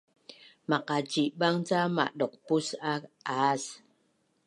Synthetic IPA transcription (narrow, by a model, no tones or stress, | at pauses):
maqad͡ʒiʔɓaŋt͡sama̰ʔɗɔq̚pusaas